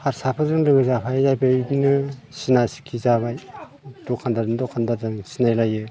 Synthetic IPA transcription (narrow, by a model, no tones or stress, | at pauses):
haɾsapʰɯzɯŋlɯɡɯzapʰajzajbɯbnɯsinasi̥kʰizaβaj | d̥ɔkʰandadɯndɔkʰandadɯŋsinajlajɯ